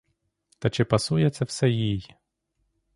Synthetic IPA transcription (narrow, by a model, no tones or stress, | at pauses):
t̪ɐt͡ʃɪpɐsujɛt̪sʲːɐwsɛjij